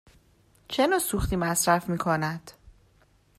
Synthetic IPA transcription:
t͡ʃʰenɒːsuxt̪iːmæsɾæfmiːkʰonæd̪̥

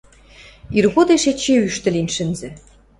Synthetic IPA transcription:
irɣod̪eʃet͡ɕeyʃt̪ɘ̆linʲʃɘ̆nzɘ̆

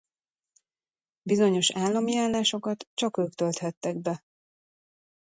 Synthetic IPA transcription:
bizo̞ɲo̞ʃaːlːɒmiaːlːaːʃo̞kɒt̪t͡ʃɒkøːkt̪ølt̪hɛt̪ːɛɡ̚bɛ

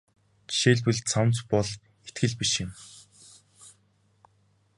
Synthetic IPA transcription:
ʃeːɮpɘ̆ɮt͡sʰawnt͡spɔɮ | et̪ɡɘ̆ɮpiʃɪ̆m

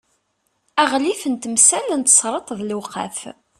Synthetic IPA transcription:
æʁlifənt̪əmsælnt̪ə̥sˤɾˤət̪ˤðlqæ̰f

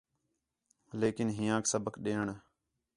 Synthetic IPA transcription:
leːkɪnɦɪ̃jãːksəbəkɗeːɳ

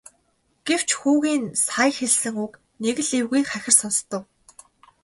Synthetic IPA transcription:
ɡ̥ew̥t͡ɕxuːɣiːnsaːjxeɮsɘ̆ŋuk | neɣɘ̆ɮewɣujːχæxʲɪ̆rsɔnst̪ə̆w

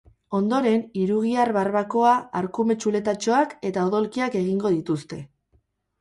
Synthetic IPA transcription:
o̞nd̪o̞ɾe̞niɾuɣiaɾβarβako̞aaɾkume̞t͡ʃule̞t̪at͡ʃo̞ake̞t̪aoðo̞lkiake̞ɣ̞iŋɡo̞ð̞it̪ust̪e̞

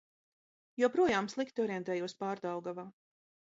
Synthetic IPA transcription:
juɔpɾuɔjaːmslˠikt̪iɔɾiɛnt̪ɛːjuɔspaːɾd̪awɡavaː

